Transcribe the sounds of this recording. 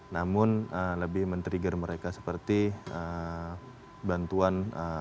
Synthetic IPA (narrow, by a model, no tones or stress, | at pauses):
namʊnələbɪhmənt̪əɾiɡərməɾekasə̥pərt̪iə | bant̪uanə